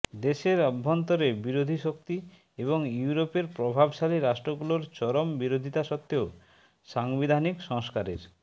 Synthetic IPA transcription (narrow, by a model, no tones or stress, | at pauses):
d̪eʃeɾɔbʱːont̪oɾebiɾod̪ʱiʃok̚t̪i | eβoŋjuuɾopeɾpɾobʱabʃaliɾaʃʈɾoɡuloɾt͡ɕɔɾombiɾod̪ʱit̪aʃɔt̪ːeo | ʃaŋbid̪ʱanikʃɔŋskaɾeɾ